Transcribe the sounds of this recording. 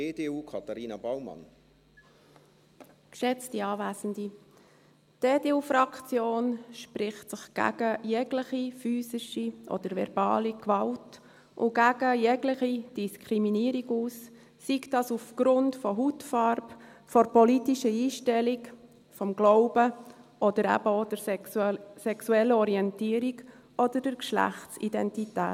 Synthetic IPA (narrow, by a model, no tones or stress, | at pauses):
eːdeːuːkʰɑt̪aɾiːnɑbawmɑ̰n | kʃɛt͡stiɑːvæːsən̩di | teːdeːuːfrɑkt͡sjoːnʃpɾɪχtsɪχɡ̥æ̰ɡəjɛɡlɪχifyːsɪʃiʔɔ̰d̥̪əɾvɛ̰ɾb̥ɑ̰ːlikʋɑlt | ʔʊ̰ɡæɡəjɛɡlɪχid̥iskʰɾiminiəɾiɡuːsː | ikd̥ɑsufɡ̥ɾʊntfɔɦutfɑrp | fɔɾpɔlitiʃəiːʃtɛlik | fɔmɡlɔʊbəʔɔd̥̪əɾæ̰b̥əod̥əɾ | sɛksuɛlːəɔɾiɛntiːəɾik | ɔd̥əd̥əɾkʃlæ̰χtsidɛntitæ̰ːt